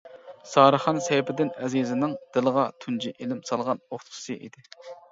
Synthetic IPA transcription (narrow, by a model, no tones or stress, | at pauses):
sɑːɾəχɑnsɛjpɪd̪ɪnɛzizɪnɪŋd̪̥ɪlˠɨʁɑt̪ʰund͡ʒiʔelɪmsɑlˠʁɑnoχt̪ʰʊ̥sɨʔḭd̪ɪ